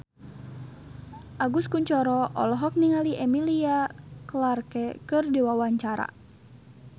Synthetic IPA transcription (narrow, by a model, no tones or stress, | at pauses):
ʔaɡuskuɲt͡ʃɔɾɔʔɔ̰lɔɦɔk̚niŋaliʔɛmiliaklarkɛkɨrdɛwawaɲt͡ʃaɾa̰